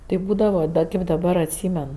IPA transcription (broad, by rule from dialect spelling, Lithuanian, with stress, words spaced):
tɐɪ ˈbuːdɐʋɐ ˈdɐ kɐɪp dɐˈbɐr ɐtʲˈsʲiːmʲɛn